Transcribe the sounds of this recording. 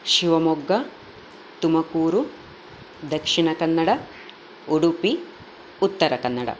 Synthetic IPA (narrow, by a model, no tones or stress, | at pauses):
ʃiʋɐmɔɡːɐ | t̪umɐkuːɾu | d̪ɐkʂiɳɐkɐnːɐɽɐ | uɽupi | ut̪ːɐɾɐkɐnːɐɽɐ̰